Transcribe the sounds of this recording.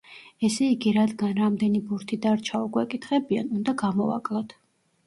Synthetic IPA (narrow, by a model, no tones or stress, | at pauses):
ɛsɛiɡiɾad̪ɡanɾamd̪ɛnibuɾt̪ʰid̪aɾt͡ʃʰaukʼwɛkʼit̪ʰχɛbianund̪aɡamɔva̰kʼlˠɔt̪ʰ